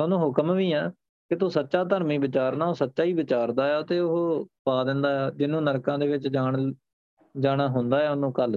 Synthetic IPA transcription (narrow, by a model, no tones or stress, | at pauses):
onõːɦʊkəmʋiːɛː | kɪt̪uːsətːʃaːt̪əɾmiːbɪt͡ʃaːɾnaːoːsətːʃaːiːbɪt͡ʃaːɾd̪aːɛːt̪eːʊɦoːpaːd̪ɪ̃nd̪aːɛːd͡ʒɪnːũːnəɾkãːd̪eːʋɪt͡ʃd͡ʒaːɳ | d͡ʒaːɽ̃aːɦʊ̃nd̪aːɛːʊnõːkəl